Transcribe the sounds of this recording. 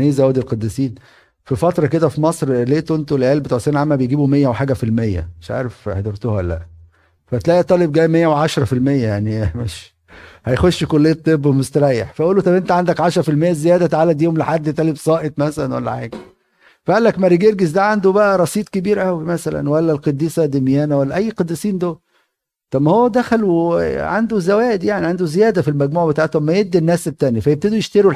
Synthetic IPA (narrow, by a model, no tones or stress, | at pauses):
niːzʔæwæd̪ilqɑd̪ːisiːn | fifɑt̪ɾˤɑked̪æfimɑsˤɾleːt̪ʔent̪olʔæːlbet̪uʕseːnʕamːæbejɡiːbumejːæweħaːɡæfilmejːæ̰meʃʕa̰ːɾefħed̪ɑɾˤt̪ohæælːæ̰ʔ | fæt̪læʔit̪ˤːɑːleb̚ɡæːjmejːæweʕaʃɾˤɑfilmejːæjaʕnimeʃ | hæjxoʃːkolːeːt̪ˤːebːmost̪æɾˤɑːjeħfæʔuːlːot̪ˤɑbent̪æʕand̪ækʕaʃɾˤɑfilmejːæzejæːd̪æt̪aʕaːlæd̪joːomleħad̪ːet̪ˤɑlebsˤɑːʔet̪ˤmæsælænwæ̰lːæ̰ħeːɡ | fæʔælːækmæɾiɡeɾɡezd̪æːʕand̪obæʔæɾˤɑsˤiːt̪ˤkebiːɾʔæwimæsælæ̰nwælːælqed̪ːiːsæd̪emjæːnæwælːæʔæjːqɑd̪ːisiːnd̪o | t̪ˤɑbmːæhowːæd̪æxæluʕa̰nd̪ozæwæːʔd̪jaʕniʕand̪ozejæːd̪æfilmæɡmuːʕbet̪aːʕet̪mːæjed̪ːinːæːset̪ːæːnjæfæjeb̚t̪æd̪ujeʃt̪æɾu